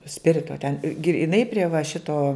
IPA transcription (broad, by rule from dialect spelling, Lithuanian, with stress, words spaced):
ˈsʲpʲɪrʲɪtoː tʲɛn ɡrʲɪˈnɐɪ pʲrʲiɛ ʋɐ ˈʃʲɪtoː